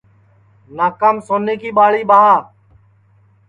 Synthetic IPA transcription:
naːkaːmsoːneːkiːɓaːɭiːɓaː

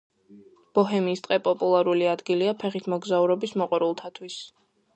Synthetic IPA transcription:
b̥ɔɦɛmiːst̪ʼqʼɛpʼɔpʼulˠaɾuliad̪ɡiliapʰɛχit̪ʰmɔɡzauɾɔbismɔqʼwɛɾulˠt̪ʰat̪ʰwis

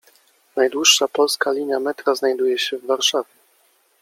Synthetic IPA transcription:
najd̪wuʂːapɔlskalʲiɲamɛt̪ɾaznajd̪ujɛɕɛvːaɾʂavʲjɛ

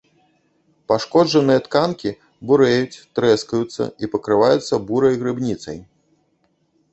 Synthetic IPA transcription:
paʂkɔd͡ʐɐnɨjɐt̪kankʲi | buɾɛjut͡sʲt̪ɾɛskɐjut̪sːɐ̰ipɐkɾɨvajut̪sːɐbuɾɐjɣɾɨbnʲit̪sɐ̰j

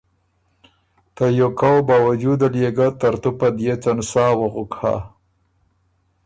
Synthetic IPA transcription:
t̪ajokawbaːwad͡ʒud̪aljeɡat̪aɾt̪upad̪jet͡sansaːwaɣʊkha̰

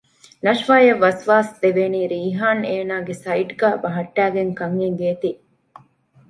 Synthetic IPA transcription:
nɐʃʋaːjɐʋːɐsʋaːsd̪eʋeːniːɾiːɦaːneːnaːɡesɐiʈɡæːbɐɦɐʈːæːɡeŋkɐŋeŋɡeːt̪i

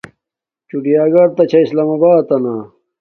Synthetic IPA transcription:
t͡ɕuɖijaːɡɐɾ̚t̪ɐt͡ɕʰɐislaːmɐbaːt̪ɐna

